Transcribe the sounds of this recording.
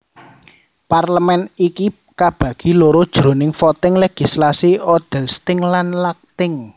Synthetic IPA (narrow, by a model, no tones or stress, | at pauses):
parləmɛniki | kab̥ä̤ɡ̥i̤loɾod̥ʒ̥ɾo̤nɪŋfɔt̪ɪŋleɡ̥i̤slasiɔd̪̥ɛ̤lst̪ɪŋlanlak̚t̪ɪŋ